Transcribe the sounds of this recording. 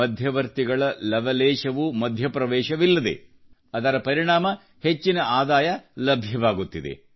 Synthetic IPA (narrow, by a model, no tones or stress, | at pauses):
ɐd̪ʱjɐʋɐɾt̪iɡɐɭɐlɐʋɐlɛːʃɐʋumɐd̪ʱjɐpɾɐʋɛːʃɐʋilːɐd̪e̞̰ | ɐd̪ɐɾɐpɐɾiɳaːmɐ | het͡ʃːinɐaːd̪aːjɐlɐbʱjɐʋaːɡut̪ːid̪e̞̰